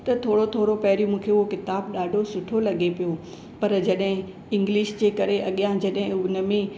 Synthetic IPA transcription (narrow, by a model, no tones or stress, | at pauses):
t̪ɐt̪ʰoːɽot̪ʰoːɾopɐɦɾjũmũːkʰeʊɦokɪt̪aːbɗaːɖʱosʊʈʰolɐɠepijo | pɐɾd͡ʑɐɗɦɪ̃ | ɪ̃ŋɡliːʃd͡ʑeːkɐɾeʔɐɠijãd͡ʑɐɗɦɪ̃ʊnə̆mẽ